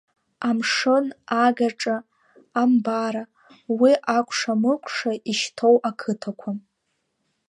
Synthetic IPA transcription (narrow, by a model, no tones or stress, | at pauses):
amʂɨnaɡaʈ͡ʂʼaː | mbaɾa | wiʔakʷʰʂamɨkʷʼʰʂaiʃtʰowʔakʰɨtʰakʷʰa